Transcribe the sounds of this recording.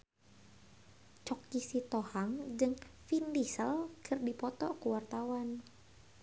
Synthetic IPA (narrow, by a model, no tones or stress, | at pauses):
t͡ʃɔkːisit̪ɔhaŋd͡ʒɨŋfindisəlkʰərdipɔt̪ɔkuwart̪awan